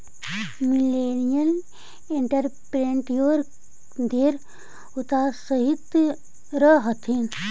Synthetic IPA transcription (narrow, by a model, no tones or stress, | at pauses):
mileːnijɐn | eɳʈɐɾpɾeɳʈjoːɾ | d̪eːɾ | ʊt̪aːsəɦit̪ | ɾəɦɐt̪ʰin